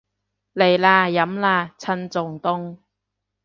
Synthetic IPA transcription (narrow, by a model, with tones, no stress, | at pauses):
le˨˩jlaː˧jɐ˨˥mlaː˧˩t͡sʰɐ˧nt͡sʊ˨˩ŋt̪ʊ˥ŋ